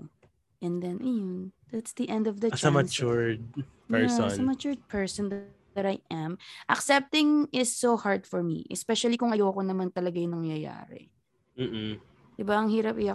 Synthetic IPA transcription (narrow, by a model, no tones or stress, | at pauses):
ʔɛ̃nd̪ɛ̃nʔɐjʊnd̪at̪sd̪iʔɛ̃nd̪ɔvd̪ɐt͡ʃsɐmɐt͡ʃʊɹd̪̚pɛɹsnsɐmɐt͡ʃʊɹd̪̚pʰɛɹsɔnd̪ | ɐɾajʔɐ̃mʔɐksɛp̚t̪ɪ̃ŋɪsːohaɹd̪fɔɹmḭʔɛ̰spɛʃɐlikʊŋɐjoɐko̞nɐmant̪ɐlɐɡajʊnɐŋjɐja̰ːɾɛ̰ | m̩ː | d̪ɪbaɐŋhiːɾɐpɪɐ